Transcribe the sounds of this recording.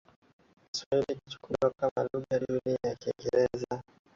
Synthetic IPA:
kiswailiki̥t͡ʃu̥kulakamaluɣaɗuniajakiiŋɡɛɾɛza

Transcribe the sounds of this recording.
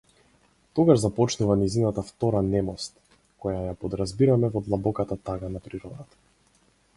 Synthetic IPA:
t̪ɔɡaʒzapɔt͡ʃnuvanizinat̪aft̪ɔɾanɛmɔst̪ | kɔjajapɔd̪ɾazbiɾamɛvɔd̪lˠabɔkat̪at̪aɡanapɾiɾɔd̪at̪ḁ

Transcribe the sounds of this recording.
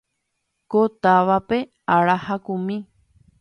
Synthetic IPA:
kot̪aʋape̞ | aɾahakũmĩ

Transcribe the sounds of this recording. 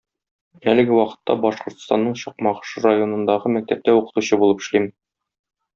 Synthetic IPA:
ælɘ̆ɡɘwɒqɤ̥̆t̪ːɑbɒʃqŏɾt̪st̪ɑ̰nːɤɴɕɒq̚mɑʁɤ̥ʃɤɾajo̞nɤ̆nd̪ɑʁɤmæk̚t̪æp̚t̪æuqɤ̥̆t̪uɕɤbulˠɤpɘ̥̆ʃlim

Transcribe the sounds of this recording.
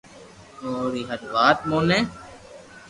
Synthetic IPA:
oːɾiːɦəd̪ʋaːt̪̚moːnẽː

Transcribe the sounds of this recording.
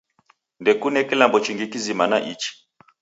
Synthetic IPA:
ndɛkunɛkilambɔt͡ʃiŋɡikizimanaʔit͡ʃi̥

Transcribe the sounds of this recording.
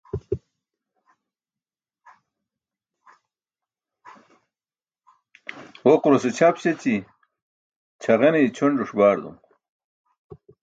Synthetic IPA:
woquɾoset͡ɕʰapɕet͡ɕi | t͡ɕʰaʁeneit͡ɕʰoɳɖuʂbaːɾd̪ṵm

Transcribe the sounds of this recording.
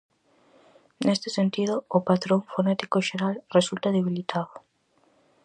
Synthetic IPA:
nest̪ɪsent̪ið̞oːpat̪ɾoŋfonet̪i̥koʃeɾalresult̪aðeβ̞ilit̪ʰaðo

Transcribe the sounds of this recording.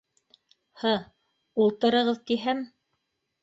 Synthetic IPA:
hɤ | ulˠt̪ɤ̆ɾɤ̆ʁɤðt̪iɦæm

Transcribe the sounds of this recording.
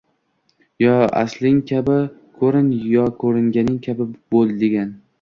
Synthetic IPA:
jɒa̰slɪŋkʲʰabɪkʰɵɾɪnjɒkʰɵɾɪŋɡʲanɪŋkʲʰabɪbolˠd̪eɡʲan

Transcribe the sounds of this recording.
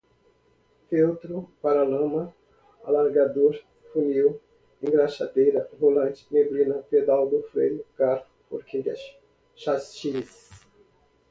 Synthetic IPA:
fewt̪ɾʊpaɾalɐ̃mɐ | a̰laɾɡad̪oɾ | funiw | ẽɡɾaʃad̪ejɾɐɦolɐ̃nt͡ʃɪ̥meblĩnɐped̪awd̪ʊfɾejʊkaɾʊpoɾkʰeʎɐs | ʃast͡ʃis

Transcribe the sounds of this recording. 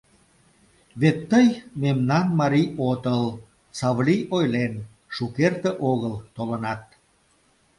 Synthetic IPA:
βet̪ːəjmemnɑnmɑɾiot̪əl | sɑβliʔojlen | ʃukert̪eʔoɣəlt̪olənɑt̪̚

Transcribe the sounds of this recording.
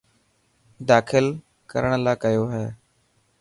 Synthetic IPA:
d̪aːkʰɪl | kə̰ɾəɽ̃laːkəjoːɦɛː

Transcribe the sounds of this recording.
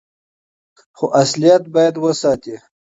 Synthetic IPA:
xoʔaslijat̪̚bɑjad̪wəsɑt̪i

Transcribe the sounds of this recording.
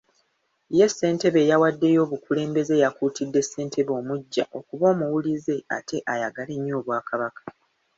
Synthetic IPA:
je̞sːe̞ːnte̞βe̞ːjawadːe̞jo̞ːβukule̞ːmbe̞ze̞ːjakuːtʰidːe̞sːe̞ːntʰe̞βo̞ːmuɟːa̰ʔo̞kuβo̞ːmuwulize̞a̰tʰe̞ʔajaɡale̞ɲːo̞ːβwaːkʰaβakḁ

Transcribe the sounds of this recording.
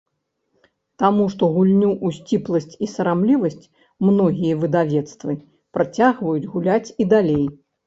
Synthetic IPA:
t̪amuʂt̪ɔɣulʲnʲuʔusʲt͡sʲiplˠɐsʲt͡sʲisɐɾamlʲivɐsʲt͡sʲ | mnɔɣʲijɐvɨd̪avʲɛt̪st̪vɨ | pɾat͡sʲaɣvɐjud͡zʲɣulʲat͡sʲid̪alʲej

